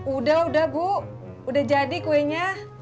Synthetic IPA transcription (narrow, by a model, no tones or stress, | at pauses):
udaɦudahbu | udahd͡ʒadikuɛɲa